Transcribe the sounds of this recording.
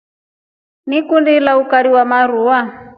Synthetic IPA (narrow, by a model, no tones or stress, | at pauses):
nikundilaukaɾiwamaɾuwa